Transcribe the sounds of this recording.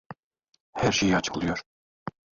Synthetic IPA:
hæɾʃejɑt͡ʃʰɯ̥klˠɯjoɾ

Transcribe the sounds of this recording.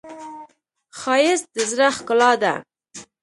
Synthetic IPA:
xɑjɪsd̪̥əzɾaχkʊlɑd̪a̰

